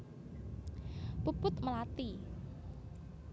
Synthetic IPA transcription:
pupʊt̪məlat̪i

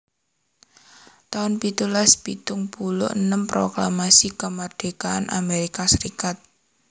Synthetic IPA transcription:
t̪aʊnpit̪ulaspit̪ʊŋpulʊ̰ʔənəmpɾoklamasikəmard̪̥eka̰ːnʔa̰meɾikasəɾikat̪̚

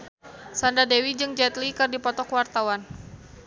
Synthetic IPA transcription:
sandadewid͡ʒɨŋd͡ʒɛt̪likɨrdipɔt̪ɔkwart̪awan

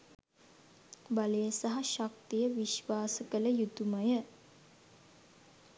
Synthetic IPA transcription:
baləjəsaɦaʃak̚t̪ijəʋiʃʋaːsəkələjut̪uməjə

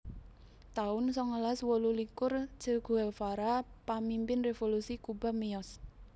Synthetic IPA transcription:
t̪aʊnsɔŋəlaswolulikʊr̥d͡ʒ̥əɡ̥ṳɛlfaɾapamimpɪnrefolusikuba̤miɔs

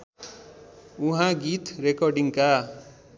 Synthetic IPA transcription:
uɦãɡit̪ɾekɔɾɖiŋka

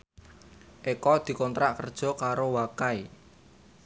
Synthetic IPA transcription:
ʔekɔd̪̥i̤kɔnt̪ɾaʔkərd̥ʒ̥ɔ̤kaɾowakai

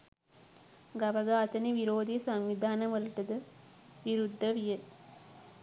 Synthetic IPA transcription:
ɡɐʋɐɡaːt̪ɐniʋiɾoːd̪ʱijsɐŋʋid̪ʱaːnɐmʋɐlɐʈːɐd̪ɐ | ʋiɾud̪ʱːɐʋijɐ

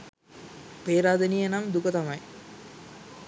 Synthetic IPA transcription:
peːɾaːd̪ɐnijenamd̪ukət̪ɐmɐj

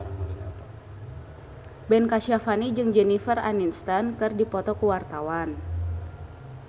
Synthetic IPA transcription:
bɛnkaʃiafanid͡ʒɨŋd͡ʒɛnifəraninst̪ankɨrdipɔt̪ɔkuwart̪awan

